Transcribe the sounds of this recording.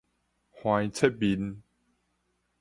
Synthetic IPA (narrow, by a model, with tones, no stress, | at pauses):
hwã˧jt͡sʰe˦t̚bi˨˦n